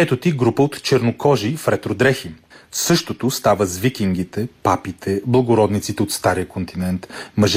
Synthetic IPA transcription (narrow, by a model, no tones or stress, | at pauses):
ɛt̪ot̪iɡɾupəot̪t͡ʃɛɾnokɔʒifɾɛt̪ɾod̪ɾɛxim | fsɤʃt̪ot̪ost̪avəzvikiŋɡit̪ɛpapit̪ʰɛblˠɐɡoɾɔd̪nit̪sit̪ɛot̪st̪aɾijəkont̪inɛnt̪mɐʒ